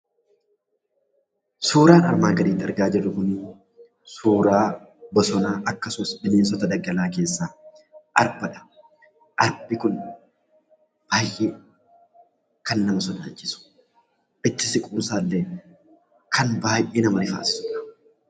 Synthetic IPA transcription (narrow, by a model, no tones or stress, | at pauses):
suːɾaːnɐ̰ɾmaːɡɐɾiːt̪ːɐɾɡaːd͡ʒɪrːʊkʊn | suːɾaː | bɔsɔnaːʔɐkːɐsʊmɐsbɪmeːns̬ɔt̪ɐd̪ɐɡɐlaːke̞ːsːaː | ʔɐ̰ɾbɐᶑɐ̥ | ʔɐɾbɪkʊn | b̥aːjʔeː | kɐnːɐmɐsɔd̪a̰ːt͡ʃːɪsʊ̥ | ʔɪt̪ːɪsɪkʼuːmsaːlːe | kʰɐnbaːjʔeːnɐmɐlɪfa̰ːsɪ̥sʊᶑɐ̥